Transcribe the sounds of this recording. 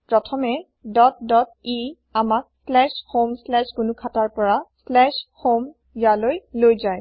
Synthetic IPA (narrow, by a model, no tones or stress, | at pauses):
pɹɔtʰɔmɛ | dɔt̚dɔt̚i | amak̚slɛʃhomslɛʃkunʊkʰataɹpɔɹaslɛʃhom | jalojlojzaj